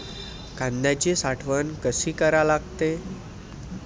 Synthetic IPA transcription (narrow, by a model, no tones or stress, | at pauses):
kãnd̪jat͡ɕesaʈʰʋənkəsiːkəɾalaɡt̪e